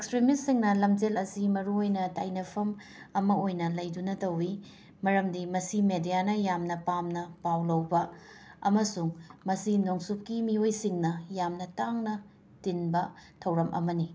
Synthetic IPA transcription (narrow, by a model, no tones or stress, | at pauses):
ekspɾimisːiŋnɐlɐmd͡ʒelɐsimɐɾuojnɐtajnɐpʰɐm | ɐmɐojnɐlɐjdunɐtɐwi | mɐɾɐmdimɐsimedijanɐjamnɐpamnɐpawlɐwbɐɐ̰mɐsuŋmɐsinoŋsup̚kimiojsiŋnɐjamnɐtaŋnɐ | tinbɐtʰɐwɾɐmʔɐ̰mɐni